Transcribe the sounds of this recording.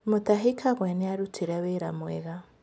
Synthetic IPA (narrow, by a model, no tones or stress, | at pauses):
mut̪aɦikʰaɣweneaɾutʰiɾaβeɾa̰mwḛɣa